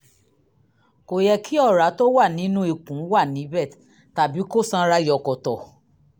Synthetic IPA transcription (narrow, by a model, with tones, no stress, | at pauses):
ko˨jɛ˧kʰi˦ɔ˦˨ɾa˨˦to˦wa˦˨nĩ˨˦nũ˦i˦˨kũ˨˦wa˦˨nĩ˨˦bɛ˦˨t | ta˨bi˨˦ko˦˨sã˧ɾa˧˦jɔ˨kɔ˨tɔ˨